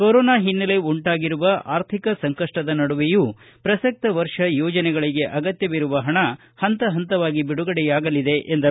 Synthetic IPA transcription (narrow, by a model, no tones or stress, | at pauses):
koɾoːnaːɦinːɐle̞uɳʈaːɡiɾuʋɐʔa̰ːɾt̪ʰikɐsɐŋkɐʂʈɐd̪ɐnɐɽuʋeju | pɾɐsɐk̚t̪ɐʋɐɾʂɐjɔːd͡ʒɐnɛɡɐɭiɡe̞ʔɐɡɐt̪jɐʋiɾuʋɐɦɐɳɐ | hɐnt̪ɐɦɐnt̪ɐʋaːɡibiɽuɡɐɽɛjaːɡɐlid̪e̞ʔend̪ɐ